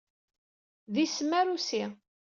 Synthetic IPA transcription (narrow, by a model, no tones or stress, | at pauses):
ðisəmæɾusi